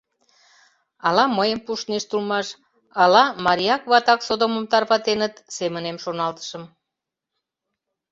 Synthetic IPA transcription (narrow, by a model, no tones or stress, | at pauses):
ɑlɑməjəmpuʃneʃt̪ulmɑʃ | ɑlɑmɑɾʲiɑkβɑt̪ɑksod̪oməmt̪ɑrβɑt̪enət̪semənemʃonɑlt̪ə̥ʃəm